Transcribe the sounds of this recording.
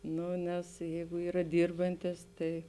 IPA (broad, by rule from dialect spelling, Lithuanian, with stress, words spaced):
ˈnʊ nʲɛs ˈjɛɪɡʊ ˈiːrɐ ˈdʲiːrbɐnʲtʲɪs ˈtɐɪ